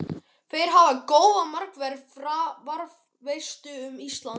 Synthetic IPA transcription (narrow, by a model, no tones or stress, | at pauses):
θejɾ̥ɦavakoːwðamar̥kvɛɾfɾavaɾv | vejst̪ʏʏmist̪lan